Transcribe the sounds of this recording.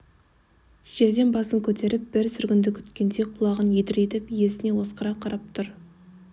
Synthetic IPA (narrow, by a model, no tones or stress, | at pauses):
ʒ̥e̞ɾd̪e̞nbɑsəŋkʲʰɵt̪e̞ɾɪp̚b̥ɪɾsʏɾɡʲɪnd̪ɪkʲʰʏ̥t̪kʲe̞nd̪e̞qʰʊlˠɑʁənjed̪ɪɾet̪ɪpje̞sɪne̞wo̞sqɑɾɑqʰɑɾɑp̚t̪ʰʊɾ